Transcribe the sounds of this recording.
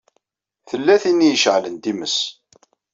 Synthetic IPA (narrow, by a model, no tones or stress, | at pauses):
θəlːæθinijəʃʕlənd̪iməs